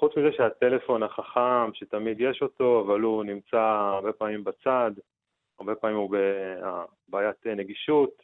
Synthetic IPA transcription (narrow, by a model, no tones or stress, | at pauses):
χut͡smizeʃeate̞le̞fo̞naχaχamʃe̞tamid̪jeʃo̞to̞avalunimt͡saːʁbe̞paːmimbat͡sad̪ | aʁbe̞paːmimubea | baːjat̪neɡiʃut